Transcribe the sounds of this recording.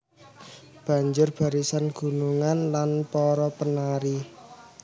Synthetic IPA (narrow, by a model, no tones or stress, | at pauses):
b̥ä̤ɲd͡ʒʊrb̥a̤ɾisanɡ̥ṳnuŋanlanpɔɾɔpənaɾi